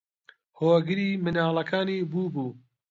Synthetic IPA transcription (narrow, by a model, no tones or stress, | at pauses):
hoːɡɨɾiːmɨnaːlˠɐkʰaːniːbuːbuː